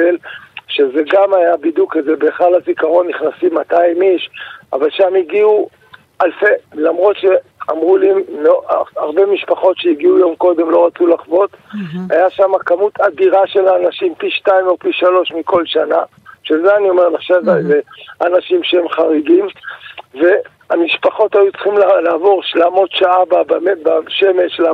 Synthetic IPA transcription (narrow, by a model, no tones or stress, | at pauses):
elʃe̞ze̞ɡamajabid̪ukezebeːχalazikaʁo̞nːiχnasimːataimiʃa̰valʃamiɡiu | alfelamʁo̞t̪ʃea̰mʁulimːeaʁbe̞miʃpaχo̞t̪ʃeiɡiujo̞mko̞d̪e̞mlo̞ʁat͡sulaχvo̞t̪hajaʃamakamut̪ʰadiʁaʃe̞laːnaʃimpiʃtaimopiʃalo̞ʃmiko̞lʃana | ʃezeanio̞meʁlaχʃavazeanaʃimʃeemχaʁiɡimve̞ | amiʃpaχo̞tajut͡sχimllaːvo̞ʁʃlaːmo̞t̪ʃaababemebaʃe̞me̞ʃla